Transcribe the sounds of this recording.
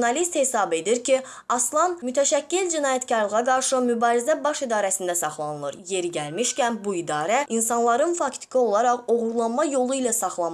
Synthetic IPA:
nɑlist̪he̞sɑbe̞d̪iɾcʰi | ɑslˠɑnmyt̪ʰæʃæcːild͡ʒinɑːjæt̪cɑɾlˠɯʁɑɡɑɾʃɯmybɑːɾizæbɑʃid̪ɑːɾæsind̪æsɑχlˠɑnɯlˠɯɾje̞ɾiɟælmiʃcænbuid̪ɑːɾæinsɑnlˠɑɾɯnfɑkt̪ʰi̥kʰɯo̞lˠɑɾɑʁo̞ʁuɾlˠɑnmɑjo̞lˠuilæsɑχlˠɑ

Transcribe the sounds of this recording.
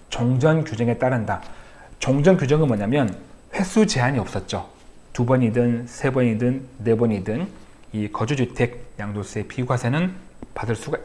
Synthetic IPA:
t͡ɕʌŋd͡ʑʌnkjud͡ʑeŋe̞t͈aɾɯnda | t͡ɕʌŋd͡ʑʌnkjud͡ʑʌŋɯnmwʌɲamjʌnɸe̞sʰut͡ɕe̞ɦaɲiʌp̚s͈ʌt̚t͡ɕ͈o | tubʌɲidɯnsʰe̞bʌɲidɯnːe̞bʌɲidɯnikʌd͡ʑud͡ʑutʰe̞ɡ̚jaŋdos͈ʰe̞pʰiɡwasʰenɯnpadɯɭs͈uɡa

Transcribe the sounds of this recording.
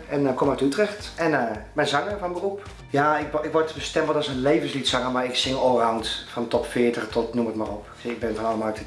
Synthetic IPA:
ɛnkʰomatytrɛxtɛnmɛnzɑŋəfɔnbərup | jaːɪkɪkʋɔɹtbəstɛmbəlˠtɔsənlejːvənslitsaŋəmaɹɪksɪŋɔrawntfɔntɔpfɪətəxtɔtnumətma̰rop | ɪɡ̚bɪnfɔnɔlˠəmatə

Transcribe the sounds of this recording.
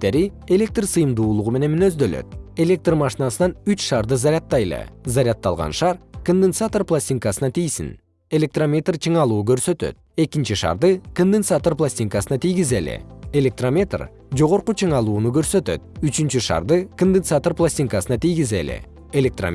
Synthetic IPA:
t̪e̞ɾie̞lʲe̞k̚t̪rsɯjɯmd̪uːlˠuʁume̞ne̞nminø̞zd̪ø̞lø̰t̪̚e̞lʲe̞k̚t̪rmaʃinɑsɯnɑnyt͡ʃʃɑɾd̪ɯzaɾʲat̪ːɑjlˠɯ̰zaɾʲat̪ːɑlˠʁɑ̰nʃɑɾkond̪ent̪sat̪orplˠasʲt̪ʲiŋkasɯnɑt̪ʰijsḭn | e̞lʲe̞k̚t̪romʲe̞t̪rt͡ʃʰɯɴɑlˠuːkø̞ɾsø̞t̪ø̰t̪̚e̞kint͡ʃiʃɑ̰ɾd̪ɯkond̪ensat̪orplˠasʲtʲiŋkasɯnɑt̪ʰijɡizelḛe̞lʲe̞k̚t̪romʲe̞t̪r | d͡ʒo̞ʁo̞ɾqut͡ʃʰɯɴɑlˠuːnukø̞ɾsø̞t̪ø̰t̪̚yt͡ʃynt͡ʃyʃɑ̰ɾd̪ɯkond̪ensat̪orplˠasʲtʲiŋkasɯnɑt̪ijɡize̞̰lḛ | elʲe̞k̚t̪ra̰

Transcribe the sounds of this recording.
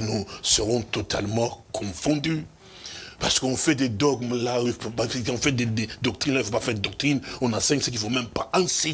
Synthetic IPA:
nusəʁɔ̃t̪ɔt̪ʰa̰lmɑ̃kʰɔ̃fɔ̃d̪y | paʁsə̥kəɔ̃fɛd̪ed̪ɔɡmlaipkɔ̃fɛʁd̪ed̪ed̪ɔk̚t̪ʁinlaifopafɛʁd̪d̪ɔk̚t̪χinɔ̃nãsɛ̃ɲsəkilfomɛ̃mpaɛ̃se

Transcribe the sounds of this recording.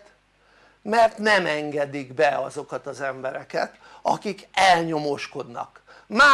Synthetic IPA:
t̪ | mɛrt̪nɛmɛŋɡɛd̪iɡbɛɒzo̞kɒt̪ɒzɛmbɛɾɛkɛt̪ | ɒ̰kikɛlɲo̞mo̞ʃko̞d̪nɒ̰k | maː

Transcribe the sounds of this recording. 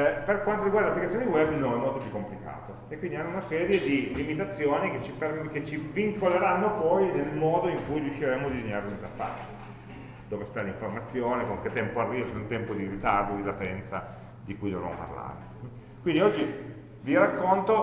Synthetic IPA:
perkwant̪oɾiɡwaɾrd̪alapːlikat̪sjoned̪iwɛbnonɛmːolt̪opjukːomplika̰ːt̪o | ekwind̪ianːounasɛːɾjed̪ilimit̪at̪sːjoːniket͡ʃːiperket͡ʃːiviŋkoleɾanːopɔjnelmɔːd̪oiŋkujɾiuʃːiɾɛmod̪id̪eɲːaːɾeunit̪afa̰t͡ʃːo̥ | d̪oːvest̪aliɱformat̪sːjoːnekoŋk̟et̪ːɛmpoarːiːvot͡ʃɛunt̪ɛmpod̪iɾit̪ard̪od̪ilat̪ɛnt̪sa̰ | d̪ikujlona̰mo̰pa̰rla̰ːɾe | kwind̪iɔd͡ʒːi | virakːont̪o

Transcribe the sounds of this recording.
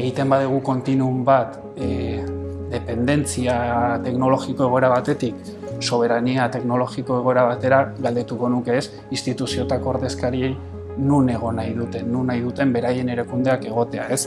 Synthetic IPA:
eɣ̞it̪e̞mbaðuɣ̞uko̞nt̪inumbat̪ | d̪e̞pe̞nd̪e̞nt͡siat̪e̞kno̞lo̞ɣiko̞e̞ɣo̞e̞ɾaβ̞at̪e̞t̪ik | so̞β̞e̞ɾaniat̪e̞kno̞lo̞ɣiko̞e̞ɣ̞o̞eɾaβat̪e̞ɾaɣald̪et̪uko̞nuke̞ːs | inst̪it̪usio̞t̪ako̞ːɾðe̞skaɾie̞j | nune̞ɣ̞o̞najðut̪e̞nːunːajðut̪e̞mbe̞ɾaje̞ne̞ɾekund̪e̞ake̞ɣ̞o̞t̪e̞a̰e̞s

